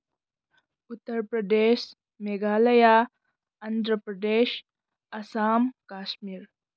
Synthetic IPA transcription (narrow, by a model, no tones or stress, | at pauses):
ut̪ːəɾpɾɐd̪eːʃ | meɡaːlɐja | ɐnd̪ɾəpɾɐd̪eːʃ | ɐsaːmkaːʃmiːɾ